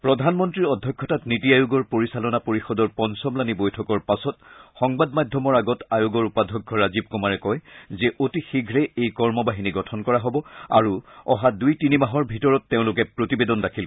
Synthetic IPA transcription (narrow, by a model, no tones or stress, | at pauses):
pɹɔdʱanmɔntɹiɹɔdʱːɔkʰːɔtatnitiajʊɡɔɹpoɹisalɔnapoɹixɔdɔɹpɔnsɔmlanibojtʰɔkɔɹpasɔtxɔŋbadmadʱɔmɔɹaɡɔtajʊɡɔɹupadʱɔkʰːɔɹazib̚kɔmaɹɛkɔjzɛʔotixiɡʱɹɛejkɔɹmɔbaɦiniɡɔtʰɔnkɔɹaɦɔbɔa̰ɹuɔ̰ɦadujtinimaɦɔɹbʱitɔɹɔtːeʊ̃lʊk̬ɛpɹotibedɔndakʰil